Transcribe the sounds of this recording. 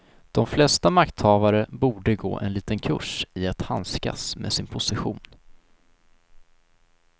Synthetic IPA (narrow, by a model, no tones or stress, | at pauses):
d̪̥ɔmflɛst̪amakt̪hɑːvaɾəbuːɖəɡo̰ːʔɛ̰nliːt̪ənkʰɵ̰ʂɪat̪hanska̰smḛːsɪnpʰʊsɪɧṵːn